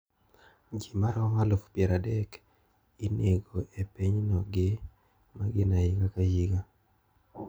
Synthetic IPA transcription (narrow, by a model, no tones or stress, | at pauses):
d͡ʒimaɾɔmalofpjɛɾadɛk | ineɡoepiɲnɔɡɪ | maɡɪnaɪkakajiɡa